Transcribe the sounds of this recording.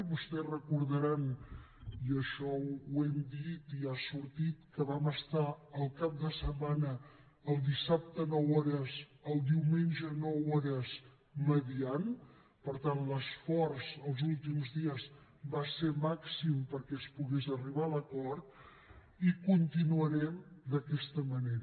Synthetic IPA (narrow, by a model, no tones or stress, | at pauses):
βust̪ɛrəkuɾðəɾan | iəʃɔuɛmd̪it̪iasuɾt̪it̪kəβaməst̪aəlˠkap̚d̪əsəmanəː | lˠd̪isap̚t̪ənɔwɔɾəzəlˠd̪iwmenʲʒənɔwɔɾəz | məðian | pəɾt̪anləsfɔrzəlˠzulˠt̪imzðiəz | baseɾmaksimpəɾkɛəspuɣezəriβ̞aləkɔɾt̪̚ | ikunt̪inuəɾɛmd̪əkɛst̪əməneɾə